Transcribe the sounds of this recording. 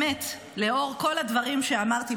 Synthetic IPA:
et̪ | le̞o̞ʁko̞lad̪vaʁimʃe̞amaʁt̪i

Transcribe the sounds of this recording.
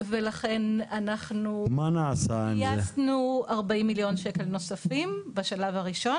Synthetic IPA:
velaχe̞nanaχnumanaːsanjaesnuaʁbaimːiljo̞nʃeke̞lno̞safimbaʃalavaʁiʃo̞n

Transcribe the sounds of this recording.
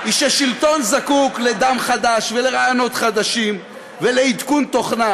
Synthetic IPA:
ʔiʃaʃilt̪o̞nzakukle̞d̪amχad̪aʃvele̞ʁajono̞t̪χad̪aʃim | ve̞leid̪kunt̪o̞χna

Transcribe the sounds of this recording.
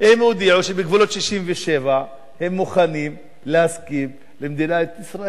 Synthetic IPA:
ʔemod̪iʕuʃebeɡvulo̞t̪ʃiʃimveʃe̞va | he̞mːuχanim | lehaskim | lemd̪inaet̪isʁaʔe

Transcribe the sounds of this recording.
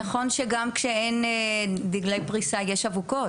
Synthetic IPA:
aχo̞nʃeɡamkʃeendiɡlejpʁisajeʃavuko̞

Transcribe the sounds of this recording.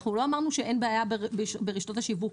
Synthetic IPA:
χulo̞amaʁnuʃeʔe̞nbeajabebbeʁiʃt̪o̞t̪haʃivuk

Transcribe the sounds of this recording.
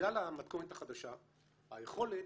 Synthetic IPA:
alamat̪konet̪aχad̪aʃa | ajeχo̞le

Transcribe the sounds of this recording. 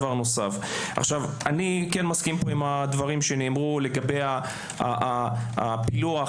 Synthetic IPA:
vaʁno̞saf | ʔa̰χʃav | anikenmaskimpo̞imhad̪vaʁimʃeneːmʁule̞ɡabeja | aaa̰pilua

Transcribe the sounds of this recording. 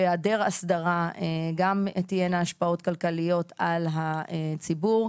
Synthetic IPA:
eadeʁasd̪aʁaeɡamt̪ijenaaʃpao̞t̪kalkalijo̞t̪ʰalɦaet͡sibuʁ

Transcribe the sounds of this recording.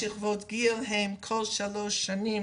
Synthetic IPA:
iχvotɡiːlɦɛmkʰɔlʃaloʃani

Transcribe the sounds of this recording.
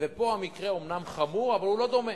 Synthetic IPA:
vepo̞amikʁeo̞mnamχamuʁavalhulo̞d̪o̞me

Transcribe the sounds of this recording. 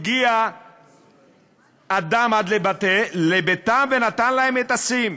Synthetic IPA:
ɡia | d̪amad̪lebat̪elebet̪amvenat̪anlahemet̪asim

